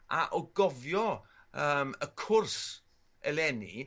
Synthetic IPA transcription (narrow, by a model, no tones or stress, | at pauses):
ʔa̰ʔɔɡɔvjɔəːməkʰʊrs | ɛlɛnḭ